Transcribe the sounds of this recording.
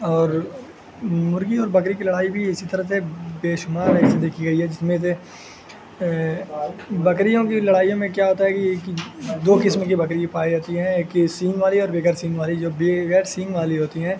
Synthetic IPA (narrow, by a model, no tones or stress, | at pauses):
ɔːɾ | mʊɾɡiɔːɾbɐkɾikilɐɽaːibʱiɪsit̪ɐɾəsebeːʃʊmaːɾɛːsed̪eːkʰiɡɐiɦɛd͡ʒɪsmẽs̬e | bɐkɾijõkilɐɽaːijõmẽkjaɦoːt̪aɦɛkiːkd̪oːkɪsmkibɐkɾiepaːiɦoːt̪iɦɛ̃eːkːisĩːŋɡʋaːliɔːɾbeːɡəɾsĩːŋɡʋaːlid͡ʒoːbeɡɛːɾsĩːŋɡʋaːliɦoːt̪iɦɛ̃ː